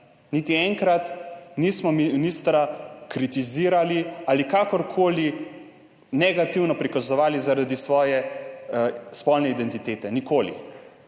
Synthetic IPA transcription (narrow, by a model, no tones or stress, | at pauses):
nit̪iɛŋkɾat̪niːsmɔmiminiːst̪ɾakɾit̪iziːɾalialikakɔɾkʰoːli | nɛɡat̪iwnɔpɾikazɔʋaːlizaɾad̪isʋɔːjɛ | spɔlnɛid̪ɛnt̪it̪eːt̪ɛnikoːlḭ